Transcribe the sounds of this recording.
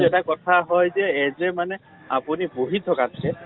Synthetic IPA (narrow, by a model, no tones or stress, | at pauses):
ɛtakɔt̪ʰaɦɔjzɛːzɛmanɛ | apuniboɦit̪ʰɔkatʰakɛ